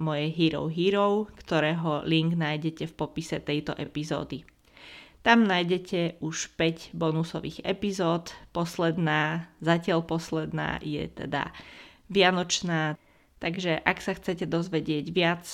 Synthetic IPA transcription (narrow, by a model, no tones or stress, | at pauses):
mɔjɛjɦiɾɔ̰ʊɦiɾɔʊkt̪ɔɾɛːɦɔliŋɡnaːjɟɛcɛfpɔpisɛt̪ɛjt̪ɔ̰ʔɛpizɔ̰ːd̪i | t̪amnajɟɛcʰɛuʃpɛɟbɔnusɔʋḭːɣɛ̰pizɔːt̪pɔslɛd̪naːzacɪalpɔslɛd̪na̰ːjɛ̰t̪ɛ̰d̪a̰ | ʋɪanɔt͡ʃnaː | t̪aɡʒɛʔaksaxt͡sɛcɛd̪ɔzʋɛɟɪɛɟʋɪat͡s